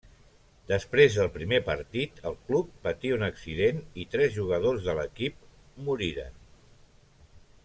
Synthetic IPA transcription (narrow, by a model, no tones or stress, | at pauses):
d̪əspɾezðəlˠpɾimepəɾt̪it̪əlˠklupːət̪iunəksiðenit̪ɾɛzʒuɣəð̞ozðələkip̚ | muɾiɾə̰n